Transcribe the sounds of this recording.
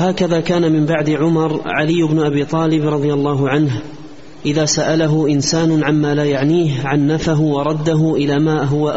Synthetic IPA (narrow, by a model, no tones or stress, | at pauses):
haːkaðaːkaːnamɪmbaʕd̪ɪʕʊmɑɾˤʕalɪjːʊbnʊʔabiːt̪ˤɑːlɪbɾˤɑd̪ˤɨjalˤːɑːɦʊʕanɦ | ʔɪðaːsaʔalaɦʊʔɪnsaːnʊʕammaːlaːjaʕniːɦʕanːafaɦʊwɑɾˤɑd̪ːaɦʊʔɪlaːmaːɦʊwaʔ